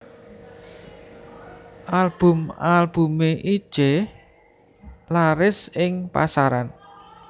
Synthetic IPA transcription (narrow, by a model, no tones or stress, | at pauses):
ʔalb̥ʊmalb̥umeʔi̥ʒ̥ɛ | laɾɪsɪŋpa̰saɾan